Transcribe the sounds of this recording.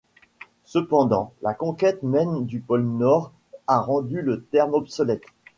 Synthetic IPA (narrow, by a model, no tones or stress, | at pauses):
səpɑ̃d̪ɑ̃lakɔ̃kʲɛt̪mɛnd̪ypɔlnɔʁ | aʁɑ̃d̪ylət̪ɛʁmɔpsɔlɛt̪